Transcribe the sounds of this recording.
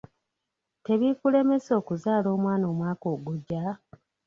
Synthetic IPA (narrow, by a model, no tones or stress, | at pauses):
te̞βikule̞me̞so̞ːkuzaːlo̞ːmwaːno̞ːmwaːkoːɡuɟːa